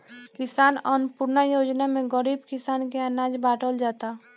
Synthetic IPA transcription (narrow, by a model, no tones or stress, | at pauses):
kɪsaːnɔːnpʊɾnajoːd͡ʒnamẽɡəɾiːbkɪsaːnkeanaːd͡ʒbaːʈʰəld͡ʒaːt̪a